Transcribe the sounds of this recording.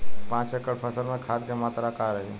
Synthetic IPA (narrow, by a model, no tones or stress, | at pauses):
pãːt͡ʃekəɽpʰəsəɾmẽkʰaːd̪kemaːt̪ɾakaɾəɦi